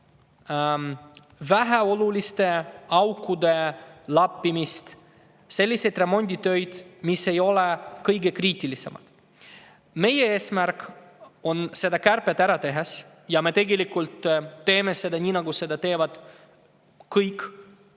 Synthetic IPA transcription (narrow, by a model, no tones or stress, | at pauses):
væɦæo̞lulʲist̪e̞ɑwkːˑud̪e̞lɑpːimist̪ | se̞lʲːise̞jd̪re̞mo̞nʲd̪ʲit̪ø̞jd̪̥misːe̞jo̞lekɤjɡe̞kriːt̪ilise̞mɑ̰d̪̥ | me̞jeeːsmærk | o̞nse̞d̪ɑkærpet̪æɾɑt̪e̞ɦes | jɑme̞t̪e̞ɡe̞likːult̪ːe̞ːmese̞d̪ɑnʲiːnɑɡuse̞d̪ɑt̪e̞ːvɑd̪̥ | kɯjkː